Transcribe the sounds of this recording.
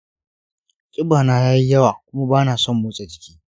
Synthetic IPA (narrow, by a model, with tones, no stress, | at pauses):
kʼɪ˦baː˨naː˦jaː˦ji˦jɐ˦waː˨kʷʊ˦ma˦baː˦naː˨sɔ˦˨mːʊ˦sʼe˨d͡ʒɪ˦kʲi̥ː˦